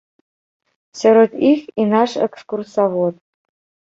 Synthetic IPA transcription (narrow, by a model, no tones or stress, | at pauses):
sʲeɾot̪ixʲinaʂḛkskursavot̪̚